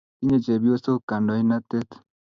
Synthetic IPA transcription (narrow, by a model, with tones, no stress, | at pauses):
i˦ɲe˨t͡ʃe˨bjo˦so˦ka˨ndɔ˨i˦na˦t̪e˦t̪